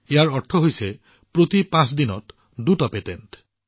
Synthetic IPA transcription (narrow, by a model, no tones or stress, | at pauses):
eaɾɔʈʰːoɦojse | pɾot̪ipãsd̪inɔt | d̪uʈɔpet̪ent̪